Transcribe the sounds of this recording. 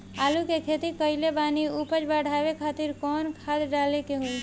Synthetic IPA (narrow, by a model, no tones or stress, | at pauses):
aːlukekʰeːt̪ikəɪlebaːniupət͡ʃbəɽʱaːʋekʰaːt̪iɾkɔːnkʰaːd̪ɖaːlekeɦui